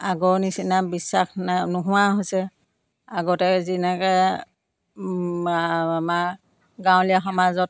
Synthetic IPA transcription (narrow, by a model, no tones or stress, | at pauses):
aɡɔnisinabisːaxnnʊɦʊwaɦojsɛ | aɡɔtɛzinɛkɛ | amaɹ | ɡãw̃liaxɔmazɔt̚